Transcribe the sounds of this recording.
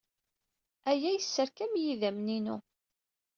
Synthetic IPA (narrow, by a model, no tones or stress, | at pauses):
æjæjəsːəɾkæmjiðæmninu